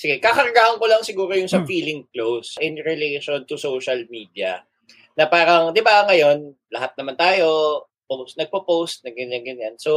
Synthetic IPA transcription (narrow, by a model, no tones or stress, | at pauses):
sɪɡɛkakɐɾɐɡahɐŋkolɐŋsɪɡuːɾojʊŋsɐfiːlɪŋklowsʔɛnɾɛlejʃont̪ʊsowʃɐlmiːd̪iɐ̰ | nɐpaːɾɐŋd̪ɪbaŋɐjo̞nlɐhat̪̚nɐmant̪aːjo̞ | posnɐɡ̚popowst̪̚nɐɡɐnaŋɡɐnjanso